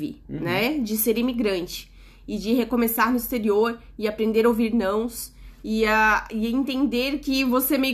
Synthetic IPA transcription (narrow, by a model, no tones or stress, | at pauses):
ɪ̰nɛd͡ʒɪseɾimiɡɾɐ̃nt͡ʃɪ̥ | ɪd͡ʒɪɦekõmesaɾnʊist̪eɾioɾ | ɪapɾẽnd̪eɾɐoviɾnɐ̃w̃sɪaɪẽnt̪ẽnd̪eɾkɪvosemejʊ